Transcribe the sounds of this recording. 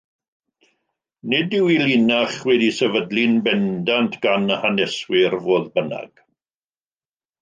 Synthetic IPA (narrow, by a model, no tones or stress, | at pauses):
nɪdɪwilinaχwɛdisɛvədlɪnbɛndantʰɡ̥anəhanɛswɪrvoːðbəna̰ɡ̥